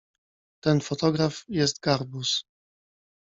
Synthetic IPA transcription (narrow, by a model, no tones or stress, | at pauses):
t̪ɛnfɔt̪ɔɡɾafjɛst̪ɡaɾbus